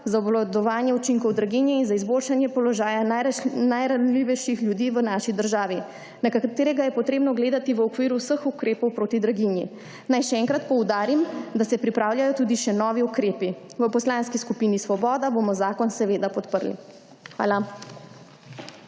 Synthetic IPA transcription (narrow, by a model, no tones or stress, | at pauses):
zaɔblɔd̪ɔʋaːnjɛut͡ʃiŋkɔwd̪ɾaɡinjɛinzaizboːlʃanjɛpɔlɔʒaːjananajɾanliːʋɛʃixljud̪iːʋənaʃid̪əɾʒaːʋi | nakat̪eːɾɛɡajɛpɔt̪ɾeːbnɔɡleːd̪at̪iʋəɔkʋiːɾuwsəxukɾeːpɔwpɾoːt̪id̪ɾaɡinjḭ | najʃɛɛːŋkɾat̪pɔwd̪aːɾimd̪asɛpɾipɾaːwljajɔt̪uːd̪iʃɛnɔːʋiukɾeːpiʋəpɔslaːnskiskupiːnisʋɔbɔːd̪abomɔzaːkɔnsɛʋeːd̪apɔt̪pəɾlḭ | xʋa̰ːla